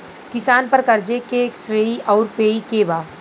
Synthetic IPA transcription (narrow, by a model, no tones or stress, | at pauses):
kɪsaːnpəɾkɐɾd͡ʒekeksɾeːiʔɔːɾpeːikebaː